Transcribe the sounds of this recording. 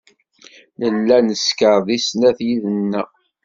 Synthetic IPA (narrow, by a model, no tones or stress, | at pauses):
ləlːænəskəɾˤðˤisnæθjiðənːæ